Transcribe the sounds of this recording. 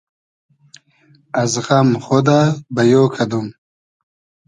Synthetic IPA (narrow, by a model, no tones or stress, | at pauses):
azɣamχod̪abɐjoːkʰad̪um